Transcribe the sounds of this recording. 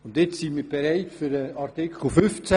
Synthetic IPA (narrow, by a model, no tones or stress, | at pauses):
ʊndjɪt͡ssinmiːɾb̥eɾaɪtfyɾəaɾtɪkʰl̩fʏft͡sæ